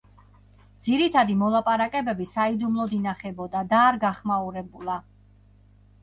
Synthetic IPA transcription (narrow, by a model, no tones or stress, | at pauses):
d̪z̥iɾit̪ʰad̪imɔlˠapʼaɾakʼɛbɛbisaid̪umlˠɔd̪inaχɛbɔd̪ad̪aːɾɡaχmauɾɛbulˠa